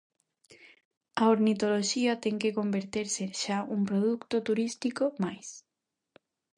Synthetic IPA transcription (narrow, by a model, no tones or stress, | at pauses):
ɐoɾnit̪oloʃiɐt̪ɛŋkekombeɾt̪eɾseʃauŋpɾoðukt̪ot̪uɾist̪ikomajs